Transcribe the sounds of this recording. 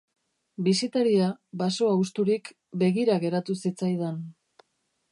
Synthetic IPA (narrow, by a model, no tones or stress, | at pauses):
bisit̪aɾiabaso̞awst̪uɾik | be̞ɣiɾaɣe̞ɾat̪usit͡sajðen